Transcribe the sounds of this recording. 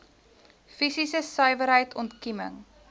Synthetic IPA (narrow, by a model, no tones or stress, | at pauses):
fisisəsœɥvəɾɦəjtʰɔntkimə̰ŋ